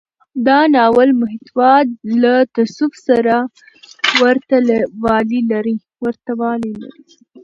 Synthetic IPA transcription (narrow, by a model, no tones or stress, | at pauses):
d̪ɑnɑwalmʊɦɪt̪wɑd̪̚lat̪asufsaɾa | wəɾt̪alwɑlilaɾi | wəɾt̪awɑlila̰ɾi